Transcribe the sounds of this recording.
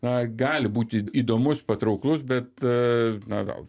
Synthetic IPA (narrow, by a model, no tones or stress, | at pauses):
nɐɡɑːlʲɪbuːt̪ʲɪiːd̪oːmʊspɐt̪ɾɐʊklˠʊs̬bʲɛt̪ | nɐ̰ɡɐ̰lˠ